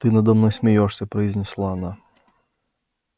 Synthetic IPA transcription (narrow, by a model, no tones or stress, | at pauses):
t̪ɨnɐd̪ɐmnojsʲmʲɪjoʂsʲɐpɾəɪzʲnʲɪslˠaɐna